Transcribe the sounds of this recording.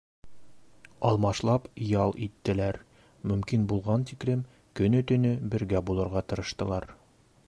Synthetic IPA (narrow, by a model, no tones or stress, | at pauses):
ɒlˠmɑʃlˠɑpjɑlˠit̪ːɘ̆læɾ | mɵ̆mkinbulˠʁɑnt̪iklɘm | kɵ̆nɵt̪ɵ̆nɵbɘ̆ɾɡæbulˠɤ̆ɾʁɑt̪ɤ̆ɾɤ̆ʃt̪ɤ̆lˠɑɾ